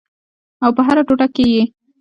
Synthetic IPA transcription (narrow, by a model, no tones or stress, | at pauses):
awpəɦaɾaʈoʈakeje